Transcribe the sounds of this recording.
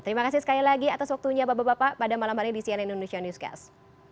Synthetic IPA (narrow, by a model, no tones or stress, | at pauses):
t̪əɾimakasisə̥kalilaɡiat̪aswak̚t̪uɲabababapapadamalamhaliɲdisianindonesianjuska̰s